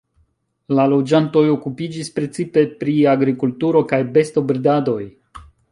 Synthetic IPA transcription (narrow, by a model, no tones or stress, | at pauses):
lalo̞d͡ʒanto̞jo̞kupid͡ʒispɾe̞t͡sipe̞pɾiaɡɾikultuɾo̞kajbe̞sto̞bɾdado̞j